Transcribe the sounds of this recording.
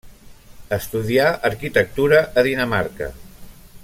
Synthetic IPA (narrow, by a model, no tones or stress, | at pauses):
əst̪uðiaʔəɾkit̪ək̚t̪uɾəʔəðinəmaɾkə̰